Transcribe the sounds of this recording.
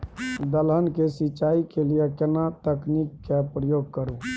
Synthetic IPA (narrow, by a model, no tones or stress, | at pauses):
d̪əlɦənkesiːt͡ʃaikelijekenat̪əknikːepɾəjoɡ̚kəɾu